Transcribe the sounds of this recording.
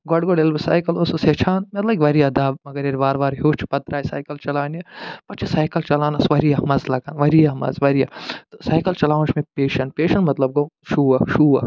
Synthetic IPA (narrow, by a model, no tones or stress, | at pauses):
ɡɔɖɡoɖelbɐsaːjkɐlososet͡ʃʰaːnmɐt̪lɐkʲʋɐɾijad̪aːbmɐɡɐɾeɾibaːɾbaːɾɦoːt͡ʃʰpɐt̪ɾaːisa̰ːjkɐlt͡ʃɐlaːnepɐt͡ʃʰisaːjkɐlt͡ʃɐlaːnɐsʋɐɾijamɐzlɐɡaːnʋɐɾijamɐ̰zʋɐɾijat̪osaːjkɐlt͡ʃɐlaːʋũt͡ʃʰmẽpeːʃɐnpeːʃɐnmɐt̪lɐb̚ɡoʃuːɐʃuːɐ